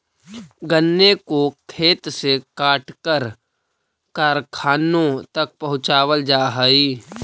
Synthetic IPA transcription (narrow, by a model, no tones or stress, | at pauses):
ɡənːekokʰeːt̪sekaːʈkəɾ | kaːɾkʰaːnõt̪ɐk̚pɐɦʊ̃t͡ʃaːwəld͡ʒaːɦəiː